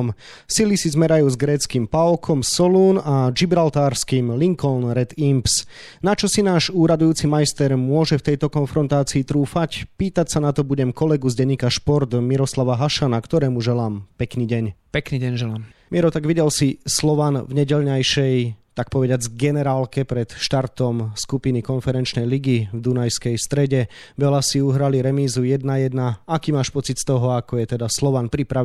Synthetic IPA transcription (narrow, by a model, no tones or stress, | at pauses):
m | silisizmɛɾajuːzɡɾɛːt͡skimpaɔkʰɔmsɔluːnad͡ʒibɾalt̪aːɾskiːmliŋkɔlnɾɛt̪imps | nat͡ʃɔsinaːʒuːɾad̪ujuːt͡simajst̪ɛɾmʊɔʒɛft̪ɛjt̪ɔkɔnfɾɔnt̪aːt͡siːt̪ɾuːfacpiːt̪acsanat̪ɔbuɟɛmkɔlɛɡuzɟɛɲikaʃpɔɾt̪miɾɔslaʋaɦaʃanakt̪ɔɾɛːmuʒɛlaːmpɛkniːɟɛɲpɛkniːɟɛɲʒɛlaːmmɪɛɾɔt̪aɡʋiɟɛlsislɔʋanvɲɛɟɛʎɲajʃɛjt̪ak̚pɔʋɛɟɪad͡zɡɛnɛɾaːlkɛpɾɛt̪ʃt̪aɾt̪ɔmskupinikɔnfɛɾɛnt͡ʃnɛjliɡivd̪unajskɛjst̪ɾɛɟɛʋɛlasiuɦɾaliɾɛmiːzujɛd̪najɛd̪naakiːmaːʃpɔt͡sit̪st̪ɔɦɔakɔjɛt̪ɛd̪aslɔʋanpɾipɾa